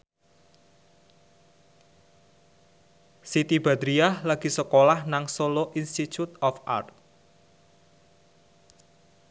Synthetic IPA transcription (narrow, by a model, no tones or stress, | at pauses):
sit̪ib̥a̤d̪ɾiahlaɡ̥i̤səkolahnaŋsoloʔinst̪it͡ʃut̪ɔfa̰rt̪̚